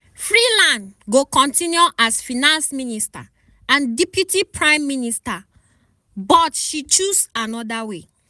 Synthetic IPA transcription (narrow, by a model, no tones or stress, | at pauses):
fɹilãndɡokɔ̃ntĩnjoʔasfinãnsminista̰ | ãndipjutipʰɹãɪ̃mːinista | bɔtʃit͡ʃusanɔdawe